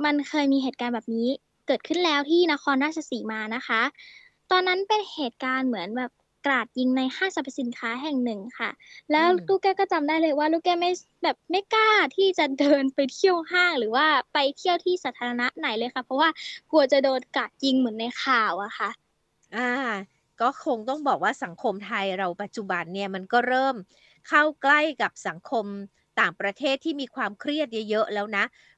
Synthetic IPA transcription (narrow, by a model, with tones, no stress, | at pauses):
ma˧nkʰɤː˧jmiː˧ɦeː˨˩t̪̚kaː˧nbɛː˨˩p̚niː˦˥ | kɤː˨˩t̪̚kʰɯ˥˩nlɛː˦˥wt̪ʰiː˥˩na˦˥xʰɔː˧nɾaː˥˩t͡ɕʰa˧siː˨˩˦maː˧na˦˥xʰa˦˥ | t̪ɔː˧nːa˦˥npe˧nheː˨˩t̪̚kaː˧nmɯ˩˦ənbɛː˨˩p̚ | kɾaː˨˩t̪̚ji˧ŋna˧jhaː˥˩sa˧pʰa˧˥si˨˩˦nkʰaː˦˥ɦɛ˨˩ŋnɯ˨˩ŋkʰa̰˥˩lɛː˦˥wluː˧˥˩kɛː˧˥˩kɔː˥˩t͡ɕa˧mdaː˥˩jlɤː˧jwaː˥˩luː˧˩kɛː˧˥˩ma˥˩j | bɛː˨˩p̚ma˦˥˩jkaː˥˩t̪ʰiː˥˩t͡ɕa˨˩dɤː˧npa˧jt̪ʰi˥˩ə˨whaː˥˩ŋɾɯː˩˦waː˥˩pa˧jt̪ʰi˥˩əwt̪ʰiː˥˩saː˨˦˥t̪ʰaː˧ɾa˧na˦˥ʔna˩˦jlɤː˧jkʰa˥˩pʰɾɔ˦˥waː˥˩ku˧ɐt͡ɕa˨˩doː˧nkaː˨˩t̪̚ji˧ŋmɯ˩˦nːa˧jxʰaː˨˩wʔa˨˩xʰa˥˩ʔ | ʔaː˧˩ | kɔː˥˩kʰo˧ŋt̪ɔ˥˩ŋbɔː˨˩k̚waː˥˩sa˩˦ŋkʰo˧mt̪ʰa˧jɾa˧wpa˨˩t̪̚t͡ɕu˨˩ba˧nːi˥˩ɐma˧nkɔː˥˩ɾɤː˥˩m | kʰa˥˩wkla˥˩jka˨˩p̚sa˩˦ŋkʰo˧m | t̪aː˨˩ŋpɾa˧t̪ʰeː˥˩t̪ʰːiː˥˩miː˧kʰwaː˧mkʰɾi˥˩ət̪̚ja˧jɤ˦˥ʔlɛː˦˥wna˦˥ʔ